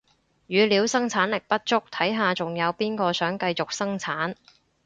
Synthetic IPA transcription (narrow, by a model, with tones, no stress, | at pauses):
jyː˨˧liː˨˧wsɐ˥ŋt͡sʰaː˨˥nlɪ˨˩k̚pɐ˥t̚t͡ʃʊ˥k̚t̪ʰɐ˨˥jɦaː˨t͡sʊ˨ŋjɐ˨˧wpiː˥nkɔː˧sœː˨˥ŋkɐ˧jt͡sʊ˨k̚sɐ˥ŋt͡sʰaː˨˥n